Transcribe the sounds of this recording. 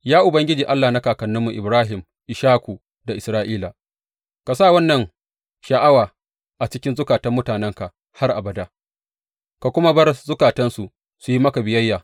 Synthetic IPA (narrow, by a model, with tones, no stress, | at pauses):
jaː˦ʔʊ˨bɐ˦ŋɡʲɪ˦d͡ʒiː˨ʔa˦lːa˨na˦kaː˨kɐ˨nːʊ˦mːu˨ʔɪ˨bɾaː˦ɦɪ˨m | ʔɪ˨ʃaː˦kʷu˨ | da˨ʔɪ˨sɾaː˦ʔiː˦laː˨ | ka˨saː˦˨wɐ˦nːɐ˨ŋ | ʃɐ˨ʔa˦waː˨ | ʔa˨t͡ʃɪ˦kʲɪ˦nzʊ˦kaː˨tɐ˦mːʊ˦taː˨nɛ˦ŋka˨ʔ | ha˦rʔa̰˨bɐ˨da˦ | ka˨kʷʊ˦ma˦bɐ˦rzʊ˦kaː˨tɐ˦nsu˨ | su˨ji˦mɐ˦ka˨bɪ˨jɐ˦jːaː˨